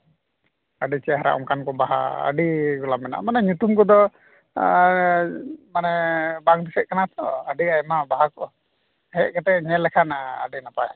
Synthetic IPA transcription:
aɖit͡ʃɛɦaɾa̰ʔɔ̰mkankɔbaɦa̰ə̰ɖiɡɔlamɛna̰manɛɲut̪umkɔd̪ɔ | manɛbaŋd̪isɛʔ̚kanat̪ɔəɖiajmabaɦakɔʔ | hɛʔkɛt̪ɛɲɛlɛkʰana̰ːɖinapa

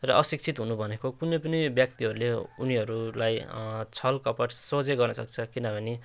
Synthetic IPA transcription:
rʌ̰ʔʌsik̚t͡sʰit̪ɦunubʱʌnekokunʌpʌnʌjbjʌk̚t̪iɦʌɾuleuniʌɾulajt͡sʰʌlkʌpʌʈsod͡zeɡʌrnʌsʌk̚t͡sʰʌkinʌbʱʌne

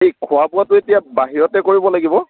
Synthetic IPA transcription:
ejkʰʊapʊatʊetijabaɦiɹɔtɛkoɹibɔlaɡibɔ

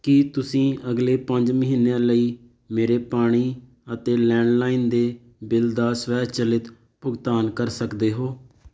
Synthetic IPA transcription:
kɪt̪ʊsĩːəɡleːpəɲd͡ʒməɦinːejãːləiː | meːɾeːpaːɽ̃iː | ət̪eːlɛ̃ːɳɖlaːiːnd̪eː | bɪld̪aːswɛːt͡ʃəlɪt̪ | pʊɡt̪aːnkəɾsəkd̪eːɦoː

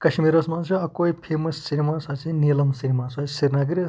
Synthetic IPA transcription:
kɐʃmiɾɐsmaːnsʰuɐkojpʰemɐsːinimasɐt͡sʰinilɐmsinʲimasɐsiɾnaɡiɾ

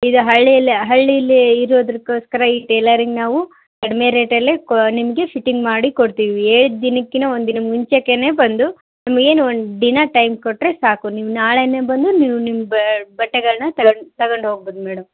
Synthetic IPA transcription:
id̪uɦɐɭːijɐlːiɦɐɭːijɐlːiiɾoːd̪ɐɾikːo̞ːskɐɾɐiʈeːlɐɾiŋɡnaːʋu | kɐɽɐmeɾeːʈɐlːeknimɐɡe̞pʰiʈːiŋɡmaːɽikoɽt̪iːʋieːɭud̪d̪inɐkːinɐond̪nimɐɡiɲt͡ʃɐkːene̞ːbɐnd̪u | nɐmɐɡeːnuond̪ud̪inaʈɐjmkoʈːɾe̞saːkuniːʋunaːɭenebɐnd̪uniːʋunimːɐbbɐʈːɛɡɐɭɐnɐt̪ɐt̪ɐɡoɳɖɦoːɡ̚boːd̪mɛːɽɐm

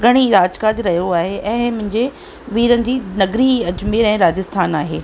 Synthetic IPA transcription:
ɡʱɐɽ̃iɾaːd͡ʑkaːd͡ʑɾɐɦijoaːɦeʔɛ̃ːmʊ̃ɦɪ̃ɲd͡ʑe | ʋiːɾənɪ̆d͡ʑiːnɐɡɾiɐd͡ʑmeɾɛ̃ːɾaːd͡ʑɪst̪ʰaːnaːɦḛː

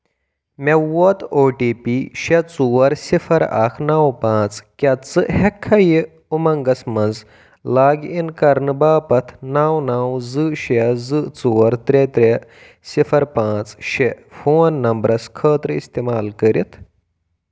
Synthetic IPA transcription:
mewɔt̪oːʈipiʃet͡suwɐɾsifʰɐɾa̰kʰnaːwpãːt͡skʲɐt͡sɨhɛkʰːɐji | umɐŋɡɐsmɐnd͡z | laːɡinkɐɾnɨbaːpɐt̪ʰnaːwnaːwzɨɕezɨt͡suwɐɾt̪ɾet̪ɾʲe | sifʰɐɾpãːt͡sʃefoːnːɐmbɾɐskʰəːt̪ɾɨist̪emaːlkəɾit̪ʰ

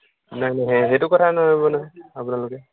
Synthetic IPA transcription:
najnajɦɛ̃xejtʊkɔtʰanɔɦojbɔnaapʊnalʊkɛ

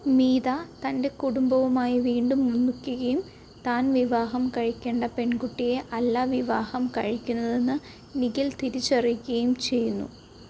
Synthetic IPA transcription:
miːðat̪ɐnde̞kuɽumbɐʋumaːjiʋiːɳɖumːunːukʲːuɣɐjum | t̪aːnʋiʋaːɦɐmkɐɻikʲːe̞ːɳɖɐpeɳkuʈːije̞ʔɐlːaːʋiʋaːhɐmkɐɻikʲːunːɐðe̞nːɨ | niɣilt̪iɾit͡ɕːɐrijkʲːuɣɐjumt͡ɕe̞jːunːṵ

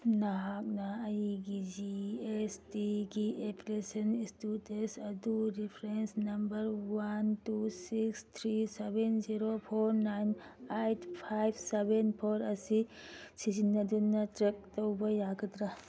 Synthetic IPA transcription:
naɦak̚naɐjiɡid͡ʒiestiɡiepʰilesɐnistutesɐd̪uɾipʰɾensnɐmbɐɾwantusikst̪ʰɾisebenziɾopʰoɾnajnajtʰpʰajbʰʱsebenpʰoɾɐsisid͡ʒinɐd̪unːatɾek̚tɔwbɐjaɡɐt̪ɾa

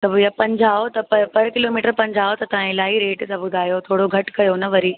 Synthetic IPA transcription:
t̪ɐbjapɐ̃ɲd͡ʑʱaːot̪ɐpɐpɐɾkɪloːmiːʈəɾpɐ̃ɲd͡ʑʱaːot̪ɐt̪ɐʋ̤ãɪlaːiɾeːʈsãbʊd̪ʱaːjot̪ʰoːɽoɡʱɐʈkɐjonɐʋɐɾiː

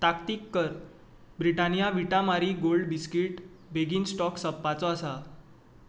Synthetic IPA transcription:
t̪akt̪ikːəɾ | bɾiʈanijaʋiʈamaɾiɡolɖbiskiʈ | beɡiːnsʈɔksəpːat͡sɔasa

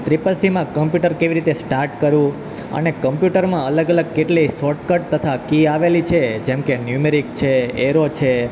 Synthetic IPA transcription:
t̪ɾipəlsimãkəmpjuʈəɾkeʋiɾit̪esʈaɾʈkəɾũ | ə̰nekəmpjuʈəɾmãələɡələɡ̚keʈlisɔʈkəʈ̚t̪ət̪ʰakiaʋelit͡ʃʰed͡ʒɛmkenjumeɾik̚t͡ʃʰeeɾot͡ʃʰe

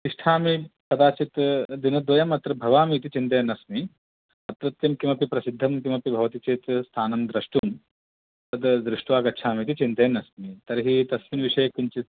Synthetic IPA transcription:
t̪iʂʈʰaːmipɐd̪aːt͡ʃit̪d̪inɐd̪ʋɐjɐmɐt̪ɾɐbʱɐʋaːmit̪it͡ʃint̪ɐjnɐsmi | ɐt̪ɾɐt̪jɐmkimɐpipɾɐsid̪ʱːɐmkimɐpibʱɐʋɐt̪it͡ʃeːt̪st̪ʰaːnɐmd̪ɾɐʂʈuːm | t̪ɐt̪d̪ɾɪʂʈʋaːɡɐt͡ʃʰaːmit̪̬it͡ʃint̪ɐjɐnɐsmit̪ɐɾɦit̪ɐsʋinʋiʂɐjɐkiɲt͡ʃit̪̚

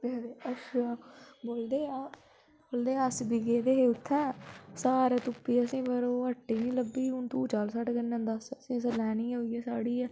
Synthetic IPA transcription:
eeəʃʰaːboːld̪eːaː | boːld̪eːəsbiɡeːd̪eːɦeːʊt̪ʰːɛ̃ːsaːɾaːt̪ʊpːiːasĩːpəɾoːəʈːeːnĩːləbːiːʊnt̪uːt͡ʃaːlsaʈɡənːãːd̪əsəsĩːs̬əlɛːniːoːiɛːsaːɽiːɛː

